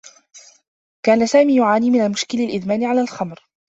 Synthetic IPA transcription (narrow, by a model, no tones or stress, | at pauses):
kaːnasaːmiːjʊʕaːniːmɪnalmʊʃkɪlɪlʔɪðmaːnɪʕalaːlxɑmɾ